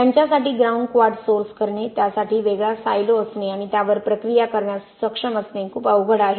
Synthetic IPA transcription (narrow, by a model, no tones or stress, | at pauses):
jaɲt͡ɕjasaʈiːɡɾaũɳɖkʋaɾɖsoɾskəɾɳit̪jasaʈiːʋeɡɭasa̰jloəsneaɽ̃it̪jaʋəɾpɾəkɾijakəɾɳjassəkʂəməsnẽkʰuːpəʋɡʱəɽaɦe